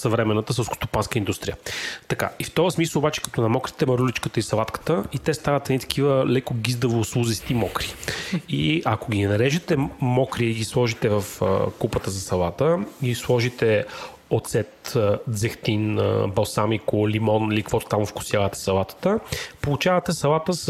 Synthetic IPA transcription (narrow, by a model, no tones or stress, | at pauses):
sɐvɾɛmɛnːət̪əsɛlˠsko̥st̪o̥panskəind̪ust̪ɾʲijət̪ɐka̰ift̪ɔvəsmisəobat͡ʃɛ̥kɐ̥t̪ɔnɐmɔkɾi̥t̪ɛmɐɾulit͡ʃkət̪əisɐlat̪kə̥t̪əit̪ɛst̪avɐt̪ɛd̪it̪ɐ̥k̟ivəlɛkoɡizd̪ɐvoslˠuzɛst̪imɔkɾiiɐkoɡʲinɐɾɛʒɛt̪ɛmɔkɾiiɡislˠɔʒit̪ɛvəfkupət̪əzɐsɐlˠat̪əislˠɔʒit̪ɛ | ot̪sɛt̪d̪zɛxt̪in̰bɐlˠsamikolimɔnilikvɔt̪o̥t̪amfkʊ̥sjavət̪ɛ̥sɐlˠat̪ə̥t̪əpolˠut͡ʃavət̪ɛsɐlˠat̪əs